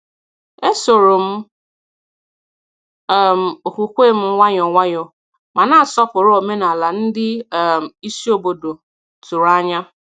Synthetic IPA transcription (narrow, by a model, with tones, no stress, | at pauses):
e˦so˨ɾo˨m̩˦˨ | m̩˨o˨ku˨kʷe˦˨m̩˦wʷa˦ɲɔ˨ŋʷa˦ɲɔ˨ | ma˨na˦a˨sɔ˦pʊ˨ɾʊ˦o˨me˦na˨la˨n̩˦dɪ˦˨m̩˨i˦si˦o˦bo˨do˨ | tu˨ɾa˦ɲa˦